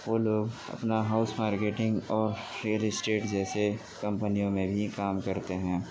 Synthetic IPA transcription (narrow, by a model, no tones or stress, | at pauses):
ʋoːloːɡɐ̰pnaɦaʊsmaːɾkeːʈɪ̃ŋɡɔːɾɾijəlɪsʈeːʈd͡ʒɛːse | kɐ̃mpənijõmẽbʱikaːmkɐɾt̪eɦɛ̃ː